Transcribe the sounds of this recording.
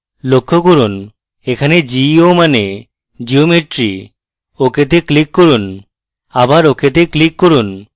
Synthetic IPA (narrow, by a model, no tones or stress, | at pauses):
lokʰːokoɾun | ekʰaned͡ʒiomane | d͡ʒiomeʈɾi | oket̪̬eklikːoɾun | abaɾoket̪̬eklikːoɾun